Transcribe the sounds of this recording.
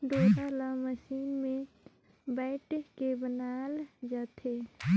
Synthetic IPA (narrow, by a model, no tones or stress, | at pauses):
ɖoɾalaməʃiːnme | baɪʈekebənald͡ʒat̪ʰe